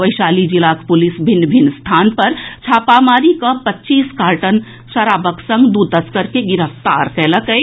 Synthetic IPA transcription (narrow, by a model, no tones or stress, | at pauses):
ʋəjsaːlid͡ʒilakpulisbʱinːbʱinst̪ʰaːnpəɾt͡ʃʰaːpamaːɾikəpətːt͡ʃiːskaːɾʈən | səɾaːbəksə̃ŋɡd̪ut̪əskəɾkeɡiɾəft̪aɾkɛləkə